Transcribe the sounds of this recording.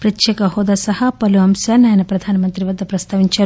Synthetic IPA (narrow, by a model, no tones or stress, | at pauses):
pɾɐt̪jekɐɦoːd̪ɐsɐhɐpɐluɐmsɐnaːjɐnɐpɾɐd̪ʱaːnɐmɐnt̪ɾiʋɐd̪ːɐpɾɐst̪ʰaːʋiɲt͡ʃɐɾ